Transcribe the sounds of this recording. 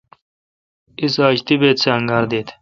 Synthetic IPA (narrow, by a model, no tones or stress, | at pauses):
isaːɕt̪ibeːt̪sʰeɐŋɡaːɾd̪eːt̪ʰ